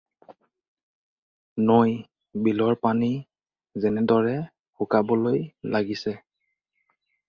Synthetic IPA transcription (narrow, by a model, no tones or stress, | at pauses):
noj | bilɔɹpani | zɛnɛdɔɹɛ | xukabɔlojlaɡisɛ